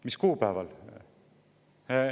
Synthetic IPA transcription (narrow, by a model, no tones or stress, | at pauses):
miskuːpæevɑl